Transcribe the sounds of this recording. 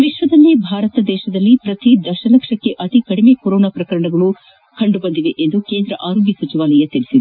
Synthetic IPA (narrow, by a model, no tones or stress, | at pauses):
ʋiʃʋɐd̪ɐlːibʱaːɾɐt̪ɐd̪ɛːʃɐd̪ɐlːipɾɐt̪id̪ɐʃɐlɐkʂɐkːe̞ʔɐt̪ikɐɽime̞koɾoːnaːpɾɐkɐɾɐɳɐɡɐɭu | kɐɳɖubɐnd̪iʋeʔend̪ukeːnd̪ɾɐ̰ʔaːɾoːɡjɐsɐt͡ʃiʋaːlɐjɐt̪iɭisid̪e